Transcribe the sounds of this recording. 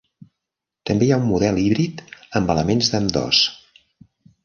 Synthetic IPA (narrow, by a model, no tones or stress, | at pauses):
t̪əmbejaumːuðɛlˠiβɾit̪əmbələmenzðəmd̪ɔ̰s